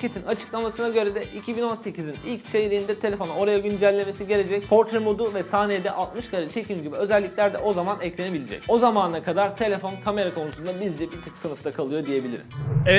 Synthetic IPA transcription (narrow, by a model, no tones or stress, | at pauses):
cʰet̪ʰinat͡ʃʰɯ̥klˠamasɯnaɟø̞ɾɛd̪ɛʔicʰibino̞nse̞cʰizinilʲct͡ʃʰe̞jɾijind̪ɛt̪ʰe̞lʲe̞fo̞nao̞ɾajaɟynd͡ʒælʲːeme̞siɟe̞lʲe̞d͡ʒɛc̚pʰo̞ɾt̪ɾemo̞d̪uvɛsaːned̪ɛʔalˠt̪mɯʃkʰaɾat͡ʃʰe̞cʰimɟibiø̞zælʲːiclʲæɾd̪ɛʔo̞zamanɛclʲe̞ne̞bilʲed͡ʒɛ̰co̞zamaːnakʰad̪aɾt̪ʰe̞lʲe̞fonkʰame̞ɾakʰo̞nusund̪abizd͡ʒɛpit̪ʰiksɯnɯft̪ʰakʰalˠɯjo̞d̪ije̞bilʲḭɾḭz̥